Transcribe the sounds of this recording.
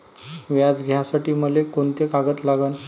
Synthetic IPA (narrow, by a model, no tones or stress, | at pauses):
ʋjad͡zɡʱjasaʈiːməlekont̪ekaɡət̪laɡən